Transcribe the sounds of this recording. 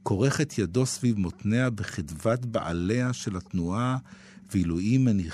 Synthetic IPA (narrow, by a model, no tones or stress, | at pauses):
ko̞ʁe̞χet̪jado̞svivmo̞tne̞abeχidvat̪ba̰ʔa̰le̞aʃe̞latnua | viluimːeni